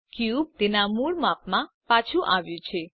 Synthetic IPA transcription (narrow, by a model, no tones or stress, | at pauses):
kjub̚t̪enamuɭmapmã | pat͡ʃʰuʔaʋjũt͡ʃʰe